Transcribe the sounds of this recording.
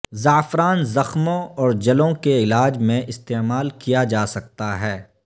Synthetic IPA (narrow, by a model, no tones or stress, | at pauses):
zaːfɾaːnzɐxmõɔːɾd͡ʒɐlõkeɪlaːd͡ʒmẽʔɪst̪eːmaːlkijad͡ʒaːsɐk̚t̪aɦɛː